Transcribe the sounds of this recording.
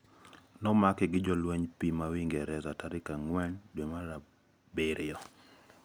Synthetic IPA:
nɔmakɪɡɪd͡ʒɔlweɲpimawiŋɡɛɾɛzataɾɪkaŋwɛndwemaɾa | beɾɪɔ

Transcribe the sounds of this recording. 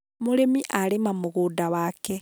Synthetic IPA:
muɾemiʔaɾemamuɣuːdawaːkɛ

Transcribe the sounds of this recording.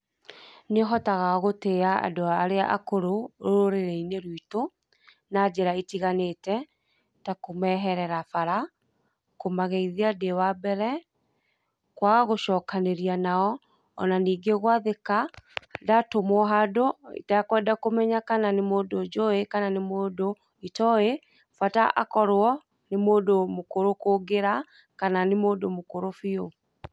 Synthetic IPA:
neɦɔtaɣaɣoteaa̰doaaɾeaʔakoɾoooɾeɾeineɾwito | nad͡ʑɛɾaetiɣanetɛ | takomɛɦɛɾɛɾafaɾa | komaɣeiðeadewabɛɾɛ | kwaɣaɣoʃɔːkaneɾianaɔ | ɔ̰naniːɡeɣwaðekaːdatomwɔɦadoḭtaakwɛdakomɛɲakananemoːdod͡ʒoekananemoːdo | itɔe | fataʔa̰kɔɾwɔ | nemoːdomokoɾokoɡeɾa | kananemoːdomokoɾofio

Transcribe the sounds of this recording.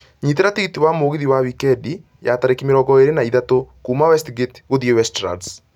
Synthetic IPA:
ɲiteɾatiɣitiwamoːɣeðiwawikɛdi | jataɾekimeɾɔɡɔeɾenaiðatokuːmawɛstɡetɣoðiɛwɛstɾa̰ds

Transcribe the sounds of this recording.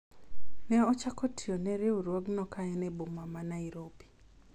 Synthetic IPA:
nɛɔt͡ʃakotʰionɛɾeuɾwoɡnɔkaɛnɛbomamanaiɾobi̥

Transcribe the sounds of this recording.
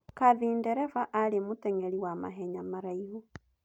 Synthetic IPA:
kaðiːndeɾefaʔalimuteŋeliwama̰ɦeɲamaɾaihu

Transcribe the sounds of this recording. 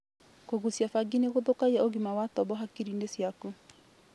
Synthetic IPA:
koɣusjafaɡineɣoðokaiaoɣimawatɔbɔɦakiɾinesjaku

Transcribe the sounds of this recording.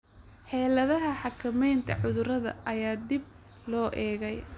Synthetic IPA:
ħɛːlɐðɐɦɐħɑkʰɐmɛjnt̪ʰɐ̰ʕʊðʊɾɐðɐ̰ʔɐjaːd̪ib̚ | lɔːʔɛːɣɛj

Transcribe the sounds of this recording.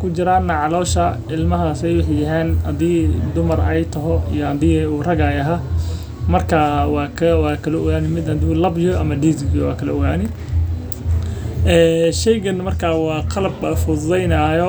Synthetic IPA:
kʰʊt͡ʃɪɾaːnːɐʕɑlɔːʃɐ | ɪlmɐɦasɛjwɑħjɐɦɛːnhɐðiːd̪ʊmɐrɛjt̪ʰɐɦɔḭjɔhɐd̪iːuːrɐɣɐːjɐɦa | mɐrkʰɐwɑːkʰɐwɑːkʰɐlɔʊɡaːnɪmɪd̪ɐd̪ɪlɐbjɔɐmɐɖiːsɡjɔwɑ̰ːkʰɐlɐʊɣaːnɪ | ʔɛːʃɛjɡɐnmɐrkʰɐwɑːqʰɑlɐbɐfʊd̪ɛjnaːjɔ

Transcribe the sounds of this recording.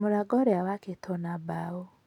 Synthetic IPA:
moɾaɡɔɾɛawaketʰɔnabao

